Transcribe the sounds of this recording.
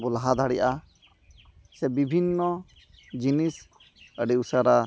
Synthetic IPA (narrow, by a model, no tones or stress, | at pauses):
bɔlaɦad̪aɽijʔa | sɛbibʱinːɔ | d͡ʒinis | əɖiusaɾa